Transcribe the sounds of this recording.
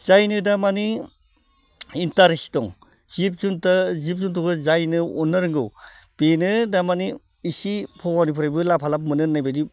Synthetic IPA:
z̥ajnɯdamani | intaɾesi̥tɔŋ | z̥ip̚zuntazip̚zuntɔkɯzajnɯɔnːɯɾɯŋɡɯw | b̥enɯdamaniː | sipʰɔwanipʰuɾajbɯlapʰalap̚mɯnɯnajbajdi

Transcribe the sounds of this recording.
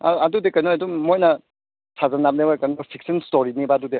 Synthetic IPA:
a̰adudekɐjnojadumojnɐ | tʰazanap̚neojkɐnopʰik̚senstoɾinibadude

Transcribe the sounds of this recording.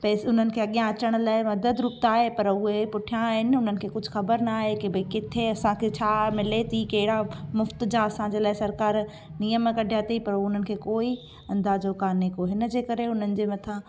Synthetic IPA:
pɛːsʊn̤ənɪ̆kʰeːɐɠijãɐt͡ɕəɽ̃ʊlaːɪmɐd̪əd̪ɾʊk̚t̪aːɦepɐɾʊɦepʊʈʰijãɦɪnɪ̆ʊn̤ənɪ̆kʰeːkʊd͡ʑʱʊxɐbəɾnaːɦekibɐikɪt̪ʰeɐsãkʰet͡ɕʰaːmɪlet̪ʰikɐɦɪɽamʊft̪d͡ʑaɐsãd͡ʑeːlaːɪsɐɾkaːɾ | nijəmkɐɖʱijaːt̪ʰipɐɾoʊn̤ənɪ̆kʰeːkoːi | ɐ̃nd̪aːd͡ʑokaːnekoɦɪnəd͡ʑeːkɐɾeʊn̤ənɪ̆d͡ʑeːmɐt̪ʰã

